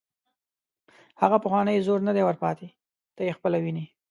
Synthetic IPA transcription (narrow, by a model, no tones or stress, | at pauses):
haɣapəxwɑnəjzoɾnəd̪ewəɾpɑt̪e | t̪ajexpəlawini